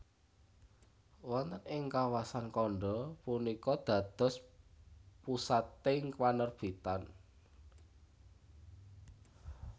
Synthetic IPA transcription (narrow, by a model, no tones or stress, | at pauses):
wɔnt̪ənɪŋkawasankɔɳɖɔpunikɔd̪̥ä̤d̪̥ɔ̤s | pusat̪eŋkwanərb̥it̪an